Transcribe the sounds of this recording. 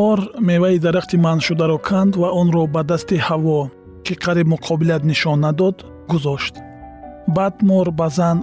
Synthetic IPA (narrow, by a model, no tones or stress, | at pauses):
ɔɾme̞vaid̪aɾaχt̪ʰimanʃud̪aɾɔkʰand̪vaɔnɾɔbad̪ast̪ihavɔ | kʰiqʰaɾibmuqʰɔbilat̪niʃɔnːad̪ɔd̪ | ɡuzɔʃt̪ | bad̪mɔɾbazan